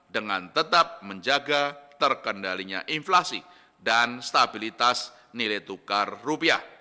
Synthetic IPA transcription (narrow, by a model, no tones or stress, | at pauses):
dəŋant̪ət̪ap̚məɲd͡ʒaɡat̪ərkəndaliɲa̰ʔinflasi | danst̪abilit̪as | nilet̪ukarːupiah